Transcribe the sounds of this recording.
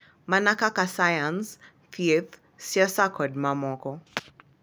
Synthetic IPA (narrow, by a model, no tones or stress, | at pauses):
manakakasajans | fiθ | siɔsakʰɔd̚mamɔkɔ